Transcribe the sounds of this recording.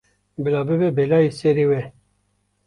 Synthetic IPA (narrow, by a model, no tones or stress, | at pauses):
bɪlɑbɪbebelɑiseɾiwe